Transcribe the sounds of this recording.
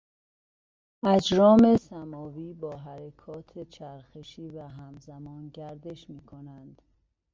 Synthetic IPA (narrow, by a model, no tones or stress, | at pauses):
æd͡ʒɾɒːmesæmɒːviːbɒːɦæɾekʰɒːt̪ʰet͡ʃʰæɾxeʃiːvæɦæmzæmɒːnɟæɾd̪e̞ʃmiːkʰonænd̪̥